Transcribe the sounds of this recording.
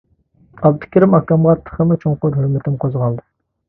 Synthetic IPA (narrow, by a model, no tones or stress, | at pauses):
ɑb̚d̪ɨ̥kʲiɾɪmɑkɑmʁɑɾt̪ʰːə̥χəmɨt͡ʃʰoŋqʊɾhɵɾmɪt̪ʰɪmqʰozʁɑlˠd̪ɨ